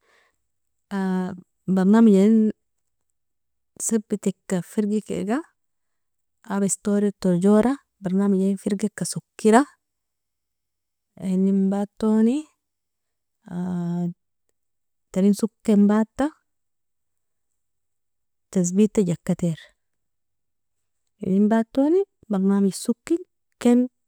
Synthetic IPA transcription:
a | baɾnamud͡ʒain | səbit̪ikːafiɾɡikḛɡa | abaist̪oːɾit̪oɾd͡ʒoɾa | baɾnamid͡ʒaifiɾɡikːasukːiɾa | enimbat̪ːoni | taɾinsukːembat̪ːa | t̪as̬bit̪ːaɟakːat̪eɾ | ḭnimbat̪ːoːni | baɾmamisukːil | ken

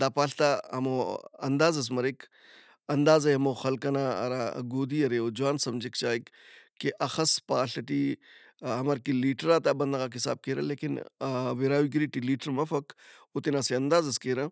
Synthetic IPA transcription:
d̪aːpaːɬt̪aɐmoɐ̰nd̪aːzɐs̬mɐɾek | ɐnd̪aːzɐɐmoːxɐlkɐnaːɐ̰ɾa̰ːɡoːd̪iːɐɾeoːd͡ʒuwaːnsɐmd͡ʒikt͡ʃaːjkkːeʔɐxɐspaːɬɐʈi | ɦɐmɐɾkiliːʈɾaːt̪aːbɐnd̪aɣaːkɦisa̰ːb̚keːɾɐ̰leːkinʋiɾaːʋiɡiɾiʈiliːʈəɾmɐfɐkut̪inaseɐnd̪aːzɐskeːɾɐ̃

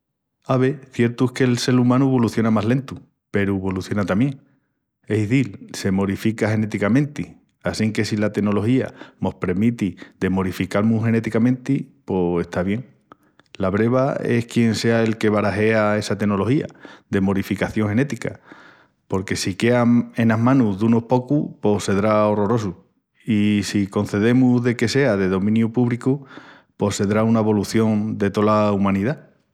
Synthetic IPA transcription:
aβe̞θje̞ɾt̪uehke̞lse̞ɾumãnuβo̞luθjo̞namaɦle̞nt̪u | pe̞ɾuβo̞luθjo̞nat̪amje̞ŋ | e̞siðilse̞mo̞ɾifikahe̞ne̞t̪ikamẽ̞nt̪i | asiŋke̞silat̪e̞no̞lo̞hia̰mo̞hpɾemit̪id̪e̞mo̞ɾifikalmũhe̞ne̞t̪ikamẽ̞nt̪ipo̞e̞ht̪aβ̞je̞ŋ | laβɾe̞βae̞hkje̞nse̞ae̞lke̞βaɾaɦe̞ae̞sat̪e̞no̞lo̞hia̰ðe̞mo̞ɾifikaθjo̞ŋhe̞ne̞t̪ika̰ | po̞ɾke̞sike̞ae̞naɦmãnuzðuno̞hpo̞kupo̞se̞ðɾaoro̞ɾo̞su | isiko̞nθe̞ðemuðe̞ke̞se̞aðe̞ðomĩnjupuβɾiku | po̞se̞ðɾaunaeβo̞luθjo̞ŋd̪e̞t̪o̞laumãniða

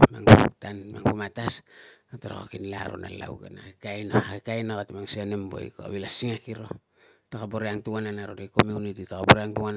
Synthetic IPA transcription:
maŋputanmaŋpumatasataɾa̰ko̰kinla̰ɾo̰na̰la̰wɡenakekajnohakekajnokatimaŋsienembo̞̰jkoa̰βilasiŋakiɾo̞̰ | takaboɾeaŋtuŋananaɾoɾekomjunititakaboɾeaŋtuŋan

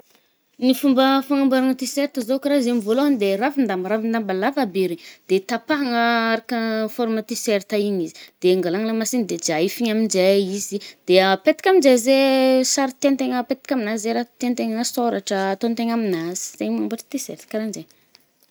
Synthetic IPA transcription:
nifumbəfaŋambaɾaŋət̪iseɾt̪əzokɾazemivoloɦanid̪erafind̪amɾafind̪ambalafabeɾid̪̥et̪apaɦaŋəaɾakəfoɾmət̪iseɾt̪aiɲizi̥d̪̥eŋɡalaŋlamasind̪ed͡ʒaifiɲamind͡ʒeizid̪̥eəpet̪i̥kʲaminzezesaɾit̪ent̪eŋəpet̪i̥kʲaminaizeɾat̪ent̪eŋəsoɾaʈ͡ʂəːt̪ont̪eŋaminaz̥i̥zeɲfaŋambaʈ͡ʂə̥t̪isḛɾt̪kaɾand͡ʒeɲ

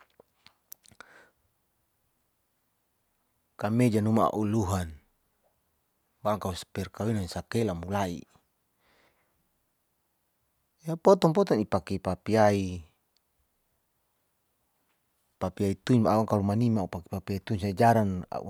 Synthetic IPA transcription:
kamed͡ʒanumaa̰ʔuluɦan | baaŋkauspɛrkawinasakɛlamulaḭ | japɔt̪ɔŋp̬ɔt̪ɔŋipakipapiai | papiait̪uɲbaaaŋkalumanimaupaki̥papiait̪uɲsad͡ʒaɾana̰ʔṵ

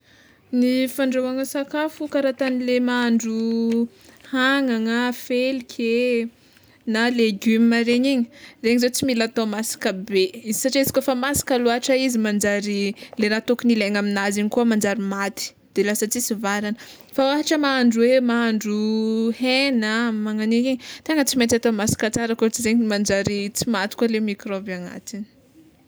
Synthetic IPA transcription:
nifaɳɖ͡ʐowaŋəsakafukaɾat̪anilemaaɳɖ͡ʐu | haŋaŋafelikʲʰe | naleɡyməɾeɲiɲi̥reɲizot͡similat̪omasḁkəbeizisaʈ͡ʂesi̥kʲofamasḁkaluaʈ͡ʂaizimand͡ʒaɾileɾat̪okinileŋaminaziɲikuəmand͡ʒaɾimat̪i̥ | d̪̥elasət͡sisivaɾanə | fawaɦaʈ͡ʂəmaaɳɖ͡ʐwemaaɳɖ͡ʐuhenəmaŋanikiɲt̪eŋət͡simet̪at̪omasi̥kat͡saɾəkot͡sizeɲimand͡ʒaɾit͡simat̪i̥kualemikɾobaŋa̰t̪ini̥

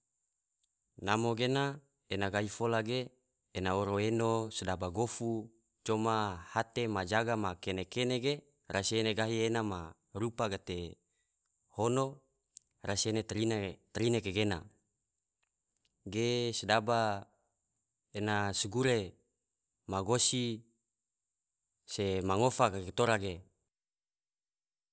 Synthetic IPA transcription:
namoɡena | enaɡaɦifolaɡeː | naoɾoenosedabaɡofu | t͡ʃomahat̪emad͡ʒaɡamakenekeneɡe | rasieneɡaɦienama | rupaɡat̪e | hono | rasienet̪ɾint̪ɾinekeɡena̰ | ɡesedaba | enasuɡuɾe | maɡosi | semaŋofakaket̪oɾaɡe

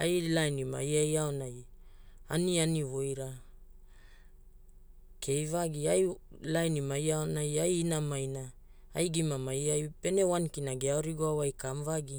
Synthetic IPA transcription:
ajlajnima̰jajaonaj | a̰nianivo̞jɾa | kʰe̞jvaɡiajlajnimajaonajajːnamajna | ajɡimamajajpe̞ne̞wankinaɡeaoɾiɡoawajkamvaɡi

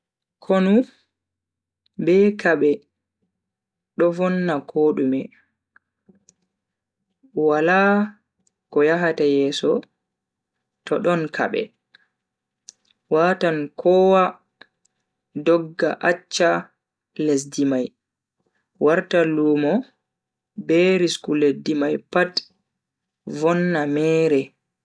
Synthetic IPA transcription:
kʰɔnu | bɛkaɓɛ | ɗɔvɔnːakʰoːɗumɛ | wala | kɔjaɦatajɛːsɔ | tɔɗɔnkʰa̰ɓɛ̰ | watankʰɔwa | dɔɡːaʔat͡ʃːa | les̬dimaj | waɾtaluːmɔ | bɛɾiskuledːimajpat | vɔnːamɛːɾɛ

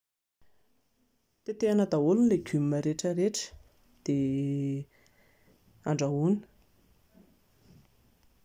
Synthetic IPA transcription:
t̪et̪eanəd̪aulunleɡymməɾeʈ͡ʂəɾeʈ͡ʂə̥ | d̪̥e | aɳɖ͡ʐauni̥

